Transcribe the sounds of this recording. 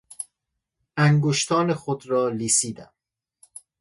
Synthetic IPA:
ʔæŋɡoʃt̪ʰɒːnexod̪ɾɒːliːsiːd̪æ̰m

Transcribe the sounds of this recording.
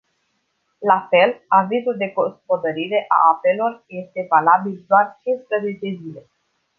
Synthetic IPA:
lafe̞lavizuld̪e̞ɡospo̞d̪əɾiɾe̞ʔa̰ape̞lo̞rje̞st̪e̞valabild̪oart͡ʃinspɾəze̞t͡ʃe̞zile̞

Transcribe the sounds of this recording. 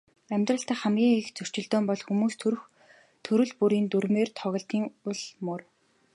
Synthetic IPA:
æmʲt̪rə̆ɬt̪æːχæmɡʲiːŋixt͡sɵr̥t͡ɕɪ̆ɮt̪ɔːmpɔɮxumuːst̪ʰɾx | t̪ʰɵɾɵ̆ɮpuɾiːnt̪uɾmeːrt̪ʰɔɣʲɞ̆ɬt̪iːŋʊɮmʊr

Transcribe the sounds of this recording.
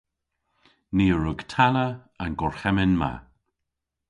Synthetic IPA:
niːəɹʊɡtʰalə | anɡɔɹxɛmɪnma̰

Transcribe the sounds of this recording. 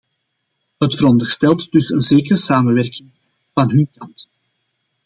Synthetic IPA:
ɦətfəɾɔndərstɛlˠtd̥ʏsənzeːkəɾəsaːmənʋɛrkɪŋ | vɑnɦɵnkɑnt

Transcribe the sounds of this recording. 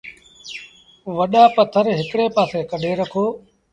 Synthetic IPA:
ʋəɗaːpət̪ʰəɾɦɪkɽeːpaːseːkəɖʱeːɾəkʰoː

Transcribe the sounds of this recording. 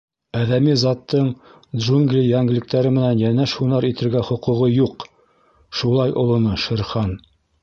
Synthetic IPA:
æðæmizɑt̪ːɤɴ | d̪ʒuŋɡlʲijæŋɡɘ̆lɘ̆k̚t̪æɾɘmɘ̆nænjænæʃunɑɾit̪ɘ̆ɾɡæχŏqŭʁɤjuq | ʃulˠɑjʔŏlˠɤ̆nɤʃɘ̆ɾχɑn

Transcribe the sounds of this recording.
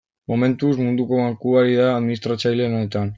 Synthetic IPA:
mo̞me̞nt̪usmund̪uko̞βaŋkuaɾiðaːðminist̪ɾat͡sajlenaet̪an

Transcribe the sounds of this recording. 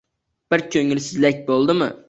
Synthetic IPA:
b̥ɪɾkʲʰøŋɪlsɪzlɛk̚ʲbolˠd̪ɨmṵ

